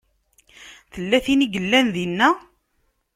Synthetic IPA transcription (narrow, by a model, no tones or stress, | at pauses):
θəlːæθiniɡəlːænðinːæ